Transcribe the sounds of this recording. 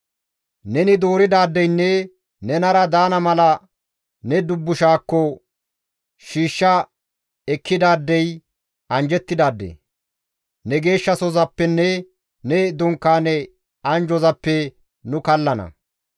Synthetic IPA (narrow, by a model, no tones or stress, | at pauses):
nɛnɪd̪oːɾɪd̪aːd̪ːɛjnːɛ | nɛnɐɾɐd̪aːnɐmɐlɐ | nɛd̪ʊbːʊʃaːkːɔ | ʃiːʃːɐ | ɛkːɪd̪aːd̪ːɛj | ɐnd͡ʒɛt̪ːɪd̪aːd̪ːḛ | nɛɡe̞ːʃːɐsɔzɐpːɛnːɛ | nɛd̪ʊŋkːaːnɛ | ɐnd͡ʒɔzɐpːɛ | nʊkɐlːɐnɐ̰